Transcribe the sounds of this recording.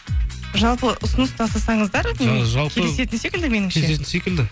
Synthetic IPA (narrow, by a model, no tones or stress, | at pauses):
ʒɑlˠpəʔʊsʊnəst̪ʰɑsɑsɑɴəzd̪ɑɾmʒɑlˠpʲkʲʰelese̞t̪ɪnse̞kɪld̪ɪme̞nɪmʲʰeeet̪ɪnsekɪld̪ɪ